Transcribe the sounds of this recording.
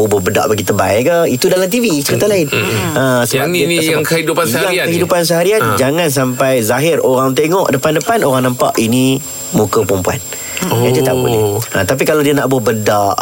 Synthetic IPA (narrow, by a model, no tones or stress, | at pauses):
ubʊhbəda̰ʔbaɡit̪əba̰jkəit̪udalamt̪̬ivisəɾit̪alaɪnəsəbasəbakəidupanjaŋkəɦidupans̬əɦaɾian̚d͡ʒaŋãns̬ampajzaɦɪroɾaŋt̪eŋɔʔdəpandəpanoɾaŋnəmpa̰ʔini | mukəpɾəmpua̰n | adiət̪a̰ʔbṵʔniat̪ap̬ikalawdianaʔbʊbədaʔ